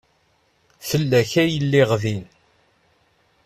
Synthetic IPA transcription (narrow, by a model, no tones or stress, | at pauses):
fəlːæçæjəlːɪʁvin